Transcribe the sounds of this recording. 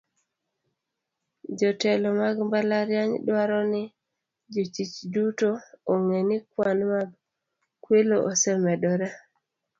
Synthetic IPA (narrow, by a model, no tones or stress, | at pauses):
d͡ʒɔtɛlɔmaɡmbalaɾjaɲdwaɾɔnɪ | d͡ʒot͡ʃit͡ʃdutooŋenɪkwanmaɡ | kweloʔosɛmɛdɔɾa